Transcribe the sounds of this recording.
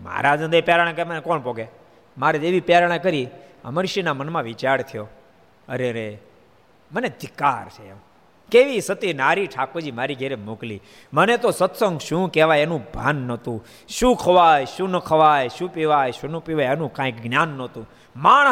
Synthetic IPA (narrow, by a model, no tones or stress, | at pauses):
ma̰ɾad͡ʒə̃nd̪epɛɾaɽ̃ãkəemənekɔɳpoɡe | maɾeeʋipeɾaɽ̃ãkəɾiə̰məɾʃinamənmãʋit͡ʃaɾt̪ʰijo | əɾeɾe | məned̪ʱɪkaɾt͡ʃʰeḛ̃ | keʋisət̪inaɾiʈʰakod͡ʒimaɾiɡʱeɾemoklḭ | mənet̪osət̪sə̃ŋɡʃũkeʋajenũbʱa̰nːət̪ũ | ʃũkʰəʋajʃũnəkʰəʋajʃũpiʋajʃũnupiʋajenũkãikɡnjaːnːət̪ũ | maːɳ